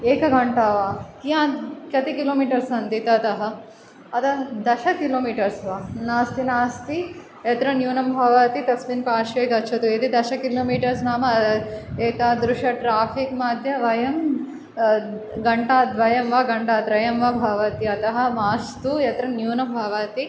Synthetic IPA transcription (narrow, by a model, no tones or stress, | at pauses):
eːkɐɡɐɳʈaːʋaːkijãːnkɐt̪ikiloːmiːʈɐɾsɐnt̪it̪ɐt̪ɐɦɐ | ɐt̪ɐɦɐd̪ɐʃɐkiloːmiːʈɐɾsʋaːnaːst̪inaːst̪i | et̪ɾɐnjuːnɐmbʱɐʋɐt̪it̪ɐsminpaːʃɐjd̪ɐtːʃʰɐt̪ued̪id̪ɐʃɐkiloːmiːʈɐɾs̬naːmɐ | eːt̪aːd̪ɾuʂɐʈɾaːpʰikmaːd̪ʱjɐʋɐjɐm | ɡɐɳʈaːt̪ʋɐjɐmʋɐɡɐɳʈaːt̪ɾɐjɐmʋɐbʱɐʋɐt̪iɐt̪ɐɦɐmaːst̪ujɐt̪ɾɐnjuːnɐmbʱɐʋɐt̪i